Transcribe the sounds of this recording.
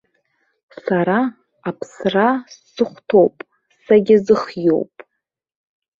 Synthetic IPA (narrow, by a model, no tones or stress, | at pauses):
saɾa | apʰsrasːɨχʷtʰo̞wpʼ | saɡʲɪzɨχjo̞̰wpʼ